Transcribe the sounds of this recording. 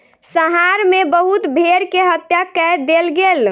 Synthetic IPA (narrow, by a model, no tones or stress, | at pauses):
səɦaɾmebəɦut̪bʱeɾkeɦət̪jakɛd̪elɡel